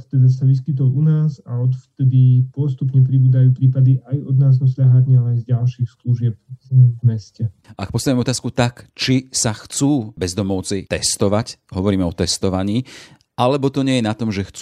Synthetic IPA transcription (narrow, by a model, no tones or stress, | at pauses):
ft̪ɛd̪asaʋiskit̪̬ɔlunaːzaɔt̪ft̪ɛd̪ipʊɔs̬t̪upɲɛp̬ɾibuːd̪ajuːpɾiːpad̪iʔajɔd̪naːzɔsʎaɦaɲɛalɛajzɟalʃiːxskluʒɪɛpvmɛscɛak̚pɔst̪adɛɔt̪aːskut̪akt͡ʃisaxt͡suːbɛzd̪ɔmɔʊt͡sɛjt̪ɛst̪ɔʋacɦɔʋɔɾiːmɛɔt̪ɛst̪ɔʋaɲiː | ʔalɛbɔt̪ɔɲɪɛjɛnat̪ɔmʒɛxt͡s